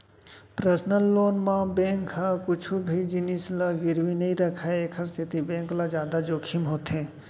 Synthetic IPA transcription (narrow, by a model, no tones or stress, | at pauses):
pɾəsnəlːoːnmãbẽːŋkɦakʊt͡ʃʰubʱid͡ʒɪnislaɡɪɾʋinɐɦĩɾɐkʰaeeːkʰəɾsɪt̪ibẽːŋklad͡ʒjaːd̪ad͡ʒoːkʰimɦoːt̪ɦẽː